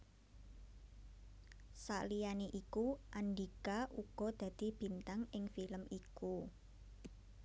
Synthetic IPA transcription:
sa̰ʔlijaneʔikuʔanɖikaʔuɡ̥ɔ̤d̪̥a̤d̪̥i̤b̥i̤nt̪aŋɪŋfiləmiku

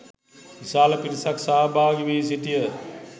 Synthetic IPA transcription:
isaːlɐpiɾisaksaɦabʱaːɡiʋeːs̬iʈijə

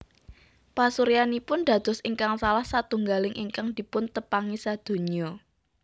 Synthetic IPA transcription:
pasuɾijanipʊnd̪a̤d̪̥ɔ̤siŋkaŋsalahsat̪uŋɡalɪŋʔiŋkaŋd̪̥i̤pʊnt̪əpaŋisad̪̥o̤ɲɔ

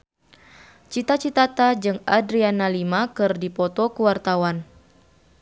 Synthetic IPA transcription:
t͡ʃit̪at͡ʃit̪at̪ad͡ʒɨŋadɾianalimakɨrdipɔt̪ɔkuwart̪awan

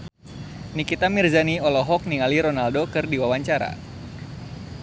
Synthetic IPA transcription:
nikit̪amirzaniɔlɔɦɔk̚niŋaliɾonaldokɨrdiwawaɲt͡ʃaɾa̰

